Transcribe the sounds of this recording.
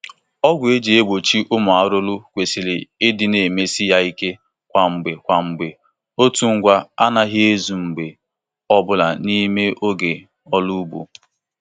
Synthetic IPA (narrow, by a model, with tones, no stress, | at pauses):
ɔ˦ɡʷe˦d͡ʒe˨e˦ɡ͡bo˨t͡ʃi˦ʔʊ˦mʊ˨a˨ɾʊ˦lʊ˦kʷe˨si˨lɪ˨ɪ˦dɪ˨ne˨me˦si˦ja˦i˦ke˦ | kʷa˨ŋ͡m̩˨ɡ͡be˨kʷa˨ŋ͡m̩˨ɡ͡be˨ | o˦tu˨ŋ̩˦ɡʷa˦a˦na˦ɦɪ˦e˦zu˨ŋ͡m̩˨ɡ͡be˨ | ɔ˦bʊ˦la˨ni˦me˦ʔo˦ɡe˨ | ɔ˦lu˦bṵ˨